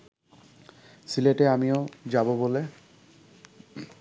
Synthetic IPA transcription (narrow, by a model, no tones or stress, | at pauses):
sileʈeamiod͡ʑabobole